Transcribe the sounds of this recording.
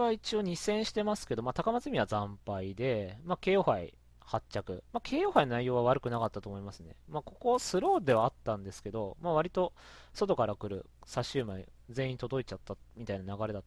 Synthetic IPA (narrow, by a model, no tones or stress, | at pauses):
βait͡ɕio̞ɲ̟isẽ̞ɰ̃ɕi̥t̪e̞masɨ̥ke̞d̪o̞mat̪akamazɨmʲiβazãmpaid̪e̞make̞ːjo̞haḭ | hat͡ɕakɯ̟makʰe̞ːjo̞ːhainnaijo̞ːβ̞aβ̞aɾɯ̟kɯ̟nakat̪ːat̪o̞ːmoimasɨne̞̰mako̞ko̞sɨɾo̞ːd̪e̞βaːt̪ːãnd̪e̞sɨ̥ke̞d̪o̞maβ̞aɾʲit̪o̞so̞t̪o̞kaɾakɯ̟ɾɯ̟̰ | saɕːɨːmaḭd͡zẽ̞ĩt̪o̞d̪o̞it͡ɕat̪ːamʲit̪ainanaɡaɾe̞d̪at̪ː